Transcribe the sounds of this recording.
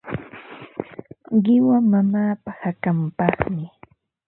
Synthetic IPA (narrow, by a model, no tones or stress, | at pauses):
ɢɪwamamaːpahakampɑχmɪ